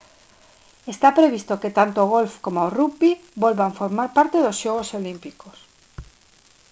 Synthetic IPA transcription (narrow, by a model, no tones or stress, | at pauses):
est̪apɾeβist̪oket̪ant̪oːɣ̞olfkomorupibolβaɱfoɾmaɾpaɾt̪eðosʃoɣ̞osolimpikos